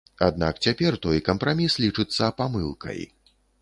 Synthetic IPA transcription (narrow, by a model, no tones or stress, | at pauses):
a̰d̪na̰kt͡sʲapʲɛrt̪ɔjkɐmpɾamʲislʲit͡ʂɨt̪sːɐpamɨlˠkʰɐ̰j